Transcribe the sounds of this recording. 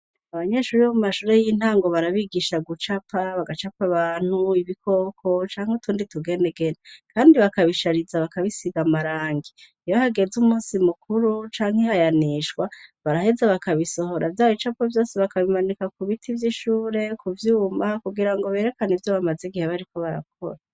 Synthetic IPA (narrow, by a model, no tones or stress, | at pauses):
aβaɲeʃuːɾiβomumaʃuːɾe̞jin̥haːŋɡo̞βaɾaβiɡiʃaɡut͡ʃapʰaβaɡat͡ʃapaβaːn̥huiβikʰo̞kʰo̞t͡ʃaːŋ̥heutʰuːndituɡe̞neɡe̞nakʰaːndiβakaβiʃaɾizaβakaβisiɡamaɾaːŋɡi | ijahaɡe̞zumuːnsimukuɾut͡ʃaːŋ̥hehajaniʃkwaβaɾahe̞zaβakaβiso̞ɦo̞ɾʔavjaːjit͡ʃapovjo̞ːsiβakaβimanikakuβitʰivjiʃuːɾe̞kuvjuːmakuɡiɾaŋɡo̞βe̞ːɾe̞kanivjoβamazeɡiheβaɾiko̞βaɾa̰k̚ʰo̞̰ɾa